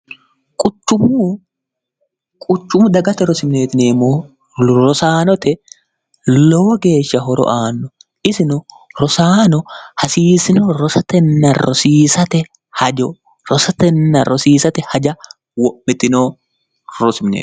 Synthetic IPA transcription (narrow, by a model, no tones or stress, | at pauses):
kʼʊt͡ʃːʊmʊ | kʼʊt͡ʃːʊmʊd̪ɐɡɐt̪ɛɾɔsɪmneːt̪ɪneːmːoː | ɾɔsaːnɔt̪ɛ | lɔwɔɡe̞ːʃːɐɦɔɾɔ̰ʔaːnːɔ | ʔɪsɪnʊ | ɾɔsaːnɔhɐsiːsɪnoːɾɔsɐt̪ɛnːɐɾɔ̰siːsɐt̪ɛ | hɐd͡ʒɔ | ɾɔsɐt̪ɛnːɐɾʔɔsiːsɐt̪ɛhɐd͡ʒɐ | wɔʔɪt̪ɪnoː | ɾɔsɪmnḛː